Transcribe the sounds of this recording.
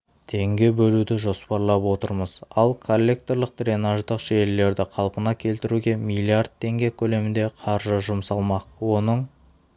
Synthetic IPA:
t̪ʰe̞ŋɡʲe̞bɵlud̪ɪʒo̞spɑɾlˠɑpwo̞t̪əɾməz̥ɑlˠkʰo̞lʲːe̞k̚t̪o̞ɾlˠəq̚t̪ɾʲe̞naʒd̪əqʒe̞lːe̞ɾd̪ɪqʰɑlˠpənɑkʲʰe̞lt̪ɪɾuɡʲe̞mʲilʲˠiard̪̚t̪ʰːe̞ŋɡʲe̞kʲʰɵle̞mɪnd̪e̞qʰɑɾʒəʒʊmsɑlˠmɑqwo̞nəɴ

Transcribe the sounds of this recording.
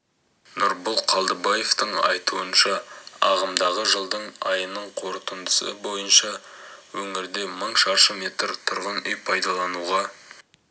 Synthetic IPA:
nʊɾbʊlˠqʰɑlˠd̪əbɑje̞ft̪əɴɑ̰jt̪uənʃɑɑ̰ʁəmd̪ɑʁəʒəlˠd̪əɴɑjənəɴqʰo̞ɾt̪ənd̪əsə̰bo̞jənʃɑwɵŋɪɾd̪e̞məɴʃɑʃəme̞t̪ɾt̪ʰʊɾʁənʏjpʰɑjd̪ɑlˠɑnuʁɑ

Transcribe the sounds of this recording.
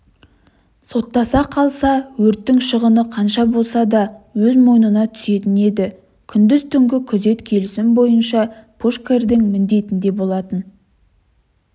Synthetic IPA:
so̞t̪ːɑsɑqʰɑlˠsɑwɵɾt̪ːɪŋʃəʁənəqʰɑnʃɑbo̞lˠsɑd̪ɑwɵzmo̞jnənɑt̪ʰʏ̥se̞t̪ɪne̞d̪ɪ | kʲʰʏnd̪ɪzt̪ʰʏŋɡʲɪkʲʰʏze̞t̪kʲʰe̞lɪsɪmbo̞jənʃɑpʰuʃkerd̪ɪŋmɪnd̪e̞t̪ɪnd̪e̞bolˠɑt̪ən

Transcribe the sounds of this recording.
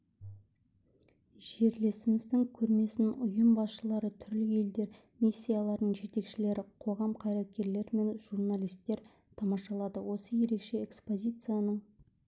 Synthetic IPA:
ʒ̥e̞ɾle̞sɪmɪzd̪ɪŋkʲʰɵɾme̞sɪnʊjəmbɑsʃəlˠɑɾət̪ʰʏɾlɪe̞ld̪e̞ɾ | mʲisʲːijalˠɑɾd̪əɴʒe̞t̪e̞kʃɪle̞ɾɪqʰo̞ʁɑmqʰɑjɾet̪̚kʲe̞ɾle̞ɾme̞nʒ̥urnalʲijst̪ːe̞ɾ | t̪ʰɑmɑʃɑlˠɑd̪əwo̞səje̞ɾe̞kʃe̞ekspo̞zʲijt̪sɨjanəɴ

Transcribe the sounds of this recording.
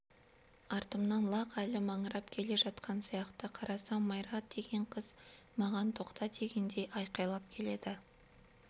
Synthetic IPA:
ɑɾt̪əmnɑnlˠɑqælɪmɑɴəɾɑpkʲʰe̞le̞ʒɑt̪qʰɑnsijɑqt̪əqʰɑɾɑsɑmmɑjɾɑt̪̚d̪e̞ɡʲe̞ɴqʰəz̥ | mɑʁɑnt̪ʰo̞qt̪ɑt̪ʰe̞ɡʲend̪e̞jʔɑjqɑjlˠɑp̚kʲʰe̞le̞d̪ɪ

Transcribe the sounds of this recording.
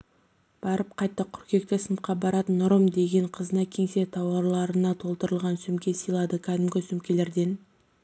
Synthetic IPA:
b̥ɑɾəp̚qʰɑjt̪ːəkʰʏɾkʲe̞k̚t̪ɪsəmqɑbɑɾɑt̪ənʊɾəmd̪e̞ɡʲe̞ɴqʰəzənɑkʲʰe̞ŋse̞t̪ʰɑwɑɾlˠɑɾənɑt̪ʰo̞lˠt̪əɾəlˠʁɑnsʏmkʲe̞sijlˠɑd̪əkʲʰæd̪ɪmɡʲɪsʏmkʲe̞le̞ɾd̪e̞n

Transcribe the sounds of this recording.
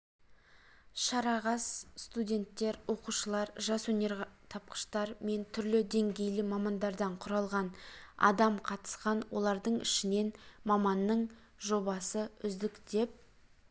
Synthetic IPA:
ʃɑɾɑʁɑsst̪udʲe̞nt̪ːe̞ɾwo̞quʃəlˠɑɾʒɑswɵne̞ɾt̪ʰɑp̚qə̥ʃt̪ɑɾme̞nt̪ʰʏɾlɪd̪e̞ŋɡʲe̞jlɪmɑmɑnd̪ɑɾd̪ɑɴqʰʊɾɑlˠʁɑnɑ̰d̪ɑmqʰɑt̪ə̥sqɑnwo̞lˠɑɾd̪əɴɪ̰ʃɪne̞nmɑmɑnːəɴ | ʒo̞bɑsəʏzd̪ɪkd̪e̞p̚

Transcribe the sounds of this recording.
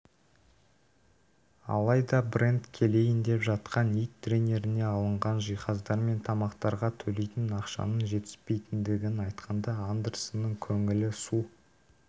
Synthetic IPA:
ɑ̰lˠɑjd̪ɑbre̞nt̪kʲʰe̞le̞jɪnd̪e̞pʒɑt̪qɑnijt̪ʰːrʲenʲe̞ɾɪne̞ɑlˠəɴʁɑnʒijχɑzd̪ɑɾme̞nt̪ʰɑmɑqt̪ɑɾʁɑt̪ʰɵle̞jt̪ɪnɑqʃɑ̰nənʒe̞t̪ɪ̥spe̞jt̪ɪnd̪ɪɡʲɪnɑjt̪qʰɑnd̪ɑand̪ersənːəɴkʲʰɵŋɪlɪsu

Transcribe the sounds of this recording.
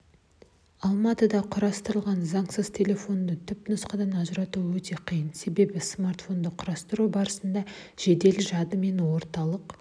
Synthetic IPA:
ɑlˠmɑt̪əd̪ɑqʰʊɾɑst̪əɾəlˠʁɑnzɑɴsəz̥t̪ʲʰe̞lʲe̞fo̞nd̪ət̪ʰʏpnʊsqɑd̪ɑnɑʒəɾɑt̪uwɵt̪e̞qʰijənse̞be̞bɪsmart̪fo̞nd̪əqʰʊɾɑst̪əɾubɑɾəsənd̪ɑ | ʒ̥e̞d̪e̞lɪʒɑd̪əme̞nwo̞ɾt̪ɑlˠəq

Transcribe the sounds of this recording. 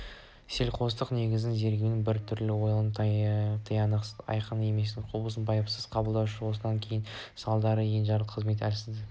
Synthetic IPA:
se̞lqʰo̞st̪əqne̞ɡʲɪzd̪ɪŋze̞ɾɡʲewnɪŋbɪɾt̪ʰʏɾlɪwo̞jlˠnt̪t̪ʰəjɑnɑ̰jqʰənəe̞me̞s̬t̪ɪqʰobəs̬ənbɑjəpsəzqʰɑbəlˠd̪ɑwʃəwo̞səd̪ɑŋkʲʰe̞jɪnsɑlˠd̪ɑɾəjenʒɑɾlˠəqʰːəzme̞t̪ælsɪzd̪ɪ

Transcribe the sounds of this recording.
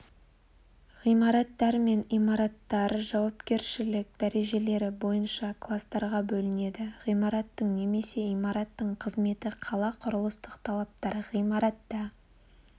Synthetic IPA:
ʁijmɑɾɑt̪ːɑɾme̞nijmɑɾɑt̪ːɑɾʒɑwɑpkʲe̞ɾʃɪlɪk̚d̪̥æɾe̞ʒe̞le̞ɾɪbo̞jənʃɑklˠast̪ɑɾʁɑbɵlɪne̞d̪ɪʁijmɑɾɑt̪ːəɴne̞me̞se̞imɑɾɑt̪ːəɴqʰəzme̞t̪ɪqʰɑlˠɑqʰʊɾʊlˠəst̪əqt̪ʰɑlˠɑp̚t̪ɑɾəʁijmɑɾɑt̪ːɑ

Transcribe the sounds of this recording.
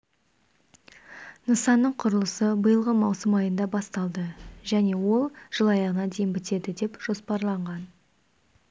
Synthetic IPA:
nəsɑnːəɴqʰʊɾəlˠəsəbəjəlˠʁəmɑwsəmɑjənd̪ɑbɑst̪ɑlˠd̪əʒæne̞wo̞lˠʒ̥əlˠɑjɑʁənɑd̪e̞jɪmbɪt̪e̞d̪ɪd̪e̞pʒ̥o̞spɑɾlˠɑɴʁɑn

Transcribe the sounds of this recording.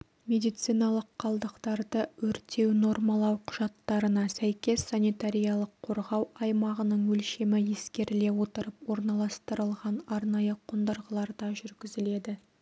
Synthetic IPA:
me̞d̪ijt̪sijnɑlˠəqʰːɑlˠd̪əqt̪ɑɾd̪əwɵɾt̪ʰe̞wno̞rmɑlˠɑwqʰʊʒ̥ɑt̪ːɑɾənɑsæjkʲe̞sːanit̪aɾʲijɑlˠəqʰo̞ɾʁɑwɑjmɑʁənəɴwɵlʃe̞mɪje̞skʲe̞ɾɪle̞wo̞t̪əɾəpwo̞ɾnɑlˠɑst̪əɾəlˠʁɑnɑɾnɑjəqʰʊnd̪əɾʁəlˠɑɾd̪ɑʒʏɾɡʲɪzɪle̞d̪ɪ

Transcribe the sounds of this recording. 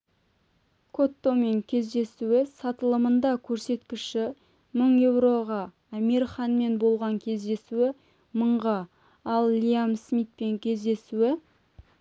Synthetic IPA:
kʰo̞t̪ːo̞me̞ŋkʲʰe̞zd̪e̞suɪsɑt̪əlˠəmənd̪ɑkʲʰɵɾse̞t̪kʲɪʃɪ | məɴje̞wɾo̞ʁɑː | meɾiχɑnme̞nbo̞lˠʁɑŋkʲʰe̞zd̪e̞suwɪ | məɴʁɑ | ɑlˠːʲiamsmijt̪̚pe̞ŋkʲʰe̞zd̪e̞suɪ

